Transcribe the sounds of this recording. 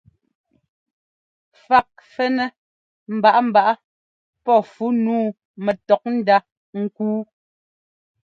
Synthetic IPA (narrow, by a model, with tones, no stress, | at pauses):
fa˨k̚fɛ˦nɛ˦ | m̩˨ba˨ʔa˦m̩˨ba˨ʔa˦ | pɔ˦˨fu˨˦nuː˦ | mɛ˨tɔ˨k̚n̩˦da˦ | ŋ̩˦kuː˦